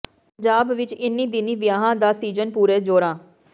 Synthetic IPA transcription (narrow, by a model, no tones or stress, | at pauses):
pəɲd͡ʒaːbʋɪt͡ʃɪnːĩːd̪ɪniːʋɪjaːɦãːd̪aːsiːd͡ʒənpuːɾeːd͡ʒoːɾãː